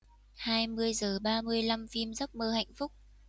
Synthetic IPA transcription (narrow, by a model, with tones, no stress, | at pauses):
haː˧jmɨ˧əjzəː˨˩ɓaː˧mɨ˧əjla˧mfi˧mzə˦˥k͡p̚məː˧ha̰˧˨jŋ̟fʊ˦˥k͡p̚